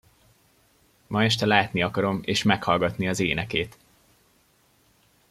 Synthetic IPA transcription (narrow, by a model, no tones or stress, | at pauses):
mɒɛʃ̬t̪ɛlaːt̪niɒkɒɾo̞mḛːʃmɛkhɒlɡɒt̪niɒzeːnɛkeːt̪